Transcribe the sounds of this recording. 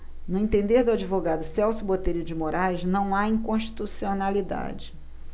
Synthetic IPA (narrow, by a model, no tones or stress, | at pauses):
nʊẽt̪ẽnd̪eɾd̪ʊad͡ʒivoɡad̪ʊsɛwsjʊbot̪ejɾʊd͡ʒɪmoɾajʃnɐ̃w̃aĩkõʃt͡ʃi̥t̪usionalid̪a̰d͡ʒɪ